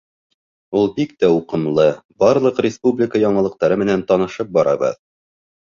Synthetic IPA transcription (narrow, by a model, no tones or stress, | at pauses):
ulˠbikt̪æuqɤ̆mlˠɤbɑɾlˠɤqɾʲɪspublʲɪkəjɒɴɤ̆lˠɤ̆q̚t̪ɑɾɤmɘ̆nænt̪ɒnɤ̆ʃɤp̚bɒɾɑβɤ̰ð